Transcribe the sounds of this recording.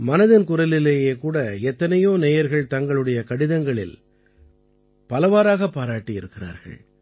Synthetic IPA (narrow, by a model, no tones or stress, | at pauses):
mɐnɐðɪnkʊrɐlɪleːjeːkuːɽɐɛt̪ːɐnɐjoːneːjɐɾɣɐɭt̪ɐŋɡɐɭɯɽɐjɐkɐɽɪðɐŋɡɐɭɪ̰l | pɐlɐʋaːɾaːɣɐpːaːɾaːʈːijɪɾɯkːɪra̰ːɾɣɐ̰ɭ